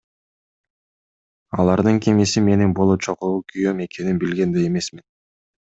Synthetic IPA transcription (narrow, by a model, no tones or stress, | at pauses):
ɑlˠɑɾd̪ɯŋkʰemisime̞ninbolˠot͡ʃʰoquukʰyjø̞me̞kʰe̞ninbilɡe̞nd̪ejeme̞smin